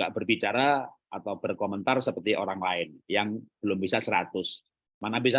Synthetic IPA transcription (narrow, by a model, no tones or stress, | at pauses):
a̰ʔbərbit͡ʃaɾaat̪awb̥ərkomənt̪arsəpərt̪iʔoɾaŋlaɪnjaŋb̥əlʊmbisasəɾat̪ʊs | manabisa